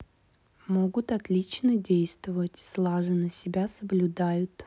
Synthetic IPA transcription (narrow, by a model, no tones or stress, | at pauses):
moɡʊt̪ɐt̪lʲit͡ɕnədʲejst̪vəvətʲslˠaʐɨnəsʲɪbʲasəblʲʊd̪ajʊt̪